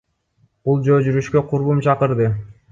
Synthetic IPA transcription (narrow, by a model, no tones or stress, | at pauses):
b̥ulˠd͡ʒøːd͡ʒyɾyʃkø̞qʰuɾbumt͡ʃʰɑqɯɾd̪ɯ